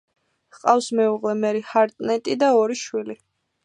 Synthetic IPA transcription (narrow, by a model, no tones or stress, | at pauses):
hqʼafsmɛuʁlɛmɛɾihaɾt̪ʼnɛt̪ʼid̪aɔɾiʃwili